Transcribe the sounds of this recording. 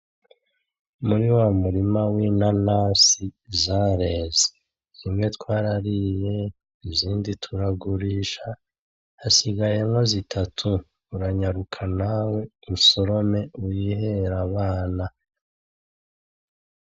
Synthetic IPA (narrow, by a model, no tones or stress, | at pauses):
muɾiwamuɾimawinanasizaːɾe̞ːze̥ | z̥imŋe̞tkwaːɾaɾije̞ | iziːnditʰuɾaɡuɾiːʃa | hasiɡaje̞mŋo̞zitʰatʰu | uɾaɲaɾukʰanawe̞umuso̞ɾo̞me̞ujiɦeɾaβaːna